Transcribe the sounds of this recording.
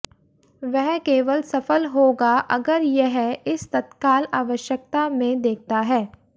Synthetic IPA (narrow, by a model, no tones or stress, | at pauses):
ʋɛɦkeːʋəlsɐfəlɦoːɡaʔɐ̰ɡəɾjɛɦɪst̪ɐt̪kaːlaːʋəʃjək̚t̪amẽd̪eːk̚ʰt̪aɦɛː